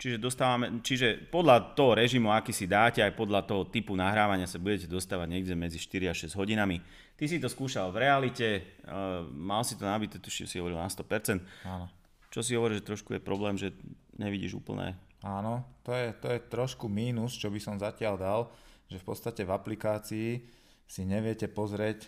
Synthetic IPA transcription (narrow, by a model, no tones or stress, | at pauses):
t͡ʃiʒɛd̪ɔst̪aːʋamɛt͡ʃiʒɛpɔd̪lat̪ɔɦɔɾɛʒimuakiːsid̪aːcɛajpɔd̪ʎat̪ɔɦɔt̪ipunaɦɾaːʋaɲɪasabuɟɛcɛd̪ɔst̪aːʋaɟɲɛɡɟɛmɛd͡ziʃt̪iɾiaʃɛzɟɦɔɟinami | t̪isit̪ɔskuːʃalvɾɛalicɛ | malsit̪ɔnabit̪ɛt̪uʃḭmsiɦɔʋɔɾilnast̪ɔpɛɾt͡sɛnt̪aːnɔ | t͡ʃɔsiɦɔʋɔɾiʒɛt̪ɾɔʃkujɛpɾɔblɛːmʒɛ | ɲɛʋiɟḭːʒṵːpl̩nɛ̰ː | aːnɔt̪ɔjɛt̪ɔjɛt̪ɾɔʃkumiːnust͡ʃɔbisɔmzacɪald̪alʒɛfpɔt̪t͡st̪acɛvaplikaːt͡siː | siɲɛʋɪɛcɛpɔzɾɪɛc